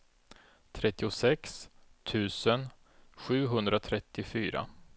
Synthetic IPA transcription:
t̪ʰɾɛt̪ːɪʊsɛkst̪ʰʉ̟ːsən | ɧʉ̟ːɦɵnd̪ɾat̪ʰɾɛt̪ːɪfyːɾa̰

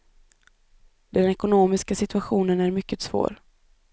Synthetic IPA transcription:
d̪ɛnɛkʊnoːmɪskasɪt̪ɵaɧuːnənæɾmʏkːət̪svo̰ːɾ

